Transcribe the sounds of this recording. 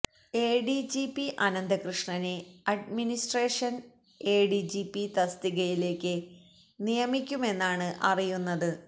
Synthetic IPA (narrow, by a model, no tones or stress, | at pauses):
e̞ːɖid͡ʑipːiʔɐnɐnd̪ɐkrɨʂɳɐneɐɖminisʈreːʂɐn | e̞ːɖid͡ʑipːit̪ɐst̪iɣɐjile̞ːkʲːɨ | nijɐmikʲːume̞nːaːɳɨʔɐrijunːɐðɨ